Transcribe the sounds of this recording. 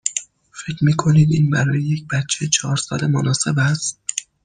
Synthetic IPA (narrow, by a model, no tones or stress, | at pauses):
fe̞cʰɾmiːkʰo̞niːd̪iːnbæɾɒːjeje̞c̚bæt̪t͡ʃʰet͡ʃʰɒːɾsɒ̰ːle̞monɒːse̞bæst̪̚